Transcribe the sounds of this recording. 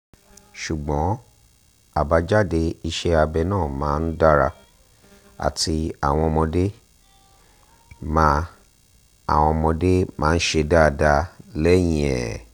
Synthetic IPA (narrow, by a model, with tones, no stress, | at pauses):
ʃu˨ɡ͡bɔ̃˨˦ | a˦˨ba˧d͡ʒa˦de˧i˧ʃe˧˦a˧bɛ˧nãː˦˨mãː˨˦n̩˦da˦ɾa˧ | a̰˨ti˧a̰˨w̃ɔ̃˧mɔ̃˧de˦ | mã˧ | a̰˨w̃ɔ̃˧mɔ̃˧de˦mãː˨˦n̩˦ʃe˧da˦˨da˧lɛ˦j̃ĩ˧˨ɛ̰˨